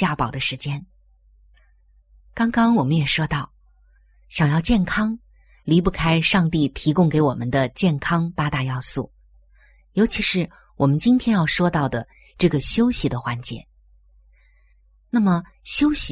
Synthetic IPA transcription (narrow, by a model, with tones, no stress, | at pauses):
ja˥˩pɑ˨˩ʊd̪ə˦ʂɻ̩˧˥t͡ɕjɛ˥n | kɑ˥ŋkɑ˥ŋwɔ˨˩mə˦njɛ˨˩ʂwɔ˥t̪ɑ˥˩ʊ | ɕjɑ˨˩ŋjɑ˥˧ʊt͡ɕjɛ˥˩nkʰɑ˥ŋ | li˧˥pu˥˩kʰa˥ɪʂɑ˥˧ŋt̪i˥˩t̪ʰi˧˥kʊ˥ŋke˧˥ɪwɔ˨˩mə˦nd̪ə˧t͡ɕjɛ˥˩nkʰɑ˥ŋpa˥t̪a˥˧jɑ˥˧ʊsu˥˩ | jo˧˥ʊt͡ɕʰi˧˥ʂɻ̩˥˩ | wɔ˨˩mə˦nt͡ɕi˥nt̪ʰjɛ˥njɑ˥˩ʊʂwɔ˥t̪ɑ˥˩ʊd̪ə˩ | ʈ͡ʂɤ˥˩ɡə˩ɕjo˥ʊɕi˨˩d̪ə˦xwa˧˥nt͡ɕjɛ̰˨˩˦ | na˥˩mə˩ | ɕjo˥ʊɕi˨